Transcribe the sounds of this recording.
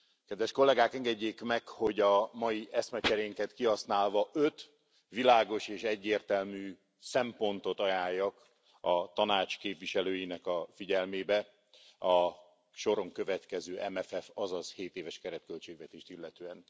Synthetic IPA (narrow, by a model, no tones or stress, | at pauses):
kɛd̪ʋɛʃko̞lːɛɡaːkɛŋɡɛɟːeːkmɛkho̞ɟɒmɒjiʔɛsmɛt͡ʃɛɾeŋkɛt̪kiɦɒsnaːlvɒʔøt̪ | ʋilaːɡo̞ʃeːʃɛɟːeːrt̪ɛlmyː | sɛmpo̞nt̪o̞t̪ɒjaːjːɒk | ɒt̪ɒnaːt͡ʃkeːpʋiʃɛløːjinɛkɒfiɟɛlmeːbɛ | ɒ | ʃo̞ɾo̞ŋkø̞vɛt̪kɛzøːʔɛmɛfɛfɒzɒzheːt̪eːvɛʃkɛɾɛt̪̚kølt͡ʃeːɡʋɛt̪eːʃt̪ilːɛt̪øːɛn